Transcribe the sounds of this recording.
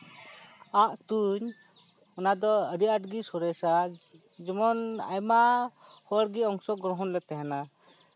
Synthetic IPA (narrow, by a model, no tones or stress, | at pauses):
aʔt̪uɲ | ɔnad̪ɔəɾiaʈɡisɔɾɛsa | d͡ʒɛmɔna̰jmaʔhɔɾɡiɔŋsɔɡɔɾɔɦɔnlɛt̪ɛɦɛna